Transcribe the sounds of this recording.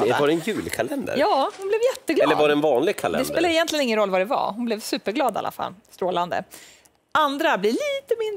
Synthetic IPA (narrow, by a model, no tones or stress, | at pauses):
vaɾɛnjʉ̟ːlkʰalɛnd̪ə̰ɾjɑːhʊnblɛvjɛt̪ːəɡlɛlːəɾvaɖɛɛnvɑːnlɪɡ̚kʰalɛ̰d̪ɛssp̪eːld̪ɛjɛnt̪lɪənɪŋːənɾɔlːvaɖɛva̰ɦʊnblɛvsʉ̟ːpəɾɡlɑːd̪a̰lːa̰fa̰lːst̪ɾoːland̪ə̰ | ʔand̪ɾabliliːt̪əmɪnd̪